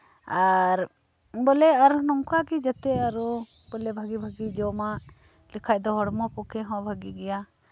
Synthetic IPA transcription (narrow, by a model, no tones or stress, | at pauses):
aɾ | bɔlɛaɾunɔmkakid͡ʒɛt̪ɛaɾu | bɔlɛbʱaɡibʱaɡid͡ʒɔma | likʰajd̪ɔɦɔɽmɔpɔkʰɛɦɔ̃bʱaɡiɡɛja